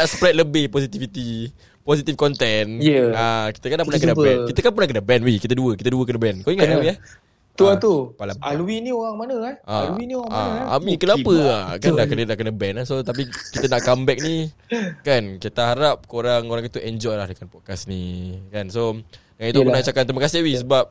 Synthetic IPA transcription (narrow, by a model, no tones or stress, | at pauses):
naʔsə̥pɾɛt̪̚ləbɪhpɔsit̪ifit̪i | pɔsit̪ifkɔnt̪ɛnjəaki̥t̪əkanːapərnakənabɛnkit̪əkanpərnahkənabɛnwikit̪əduəkit̪əduəkənabɛnkoiŋat̪aiah | t̪uat̪upalaaluwinioɾaŋmanəaʔalwinioaŋa̰a̰mĩkənapəakanaʔkənənaʔkənəbɛnasot̪ap̬ikit̪ənaʔkambɛk̚nikankit̪aɦaɾap̚koɾaŋoɾaŋit̪uʔɛɲd͡ʒɔjlahdəkanpɔt̚kasnikanso | it̪upənat͡ʃakant̪ɾiməkasɪhwisəbap̚